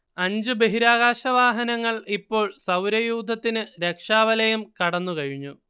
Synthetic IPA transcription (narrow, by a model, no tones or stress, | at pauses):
ɐɲd͡ʑubeɦiɾaːɣaːɕɐʋaːɦɐnɐŋːɐɭipːo̞ːɭsɐwɾɐjuːd̪ʱɐt̪ːinɨɾe̞kʂaːʋɐlɐjumkɐɽɐnːukɐɻiɲːu